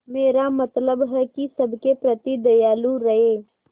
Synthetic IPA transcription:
meːɾamət̪ləbɦɛkisəbʱkepɾət̪id̪əjaːluɾɐɦeː

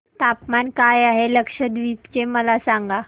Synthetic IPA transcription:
t̪apmankajaɦeləkʂəd̪ʋipt͡ɕeməlasaŋɡa

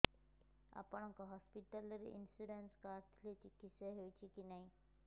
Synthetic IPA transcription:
a̰pəɳakaɦɔspiʈələɾḭnsuɾenskaɾt̪ʰlet̪ikiseɦeʋt͡ɕikinaɦi

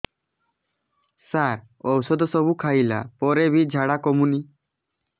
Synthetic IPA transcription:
saɾ | ɔwsɔd̪ɔsɔbukʰajla̰pɔɾebʱid͡ʒʱaɽakɔmuni

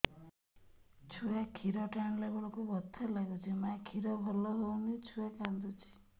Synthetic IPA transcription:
t͡ʃʰujakʰiɾɔʈaɳ̃labɔɭɔkubɔt̪ʰːalaɡɔt͡ʃʰimakʰiɾɔbʱɔlɔɦownit͡ʃʰujakand̪ut͡ʃʰi̥

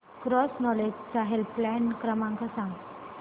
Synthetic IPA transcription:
kɾɔsnɔled͡ʑt͡saɦelplɛnkɾəmãŋkasãŋɡ

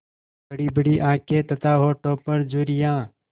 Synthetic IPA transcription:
bəɽiːbəɽiːʔãːkeːt̪ət̪aːɦoːʈoːpəɾd͡ʒuːɾɪjãː

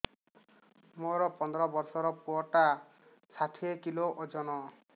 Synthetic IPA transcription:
moɾɔpɔnd̪ɔɾɔbɔɾsɔɾɔpuɔʈa | saʈʰiekiloʔod͡ʒɔnɔ

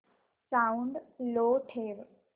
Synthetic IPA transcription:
sawũɳɖloʈʰeɾ

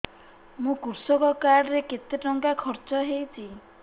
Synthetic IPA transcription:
mũkuɾsɔkɔkaɽɔɾeket̪eʈɔŋkakʰɔɾt͡ʃɔɦewt͡ʃʰi

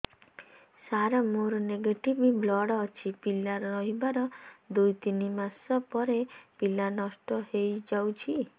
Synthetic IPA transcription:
saɾɔmoɾɔneɡeʈibiblɔɽɔːt͡ʃʰipilaɾɔɾɔɦibaɾɔd̪ujt̪inimasɔpɔɾepilanɔsʈɔhejd͡ʒawt͡ʃʰi

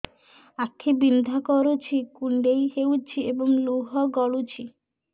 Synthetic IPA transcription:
akʰːibind̪ʱakɔɾut͡ʃʰikuɳɖejheuwt͡ʃʰiebɔŋluɦɔɡɔɭut͡ʃʰi

